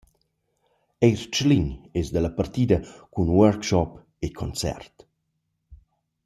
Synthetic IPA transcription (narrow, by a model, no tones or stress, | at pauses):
ejɾt͡ʃliɲɛsd̪əlapart̪iːd̪əkunwœɾkʃɔp | ekʰɔnt͡sɛ̰rt̪